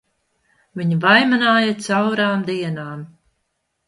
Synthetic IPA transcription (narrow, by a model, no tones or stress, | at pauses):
viɲvajmanaːjat̪sawɾaːmd̪iɛnaːm